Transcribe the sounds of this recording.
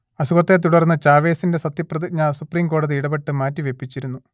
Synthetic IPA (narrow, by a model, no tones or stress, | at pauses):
ɐsuɣɐt̪ːe̞t̪̬uɽɐrnːɐt͡ɕaːʋe̞ːsinde̞sɐt̪jɐprɐðiɲɐsupriːmko̞ːɽɐðiiɽɐbeʈːɨmaːtːiʋe̞pːit͡ɕːiɾunːu